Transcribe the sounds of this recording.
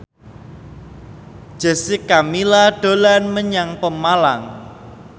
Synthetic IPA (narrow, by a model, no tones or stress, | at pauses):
d̥ʒ̥ə̤sɪkamilaɖ̥o̤lanməɲaŋpəmalaŋ